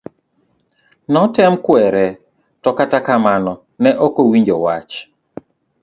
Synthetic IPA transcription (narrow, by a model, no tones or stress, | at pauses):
nɔtɛmkwɛɾɛ | tɔkatakamanɔ | nɛʔɔkowiɲd͡ʒɔwat͡ʃ